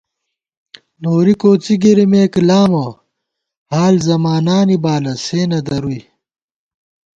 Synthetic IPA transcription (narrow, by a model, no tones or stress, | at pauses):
noːɾikoːt͡siɡiɾimeːklaːmɐ | haːlzɐmaːnaːnibaːlɐseːnɐd̪ɐɾui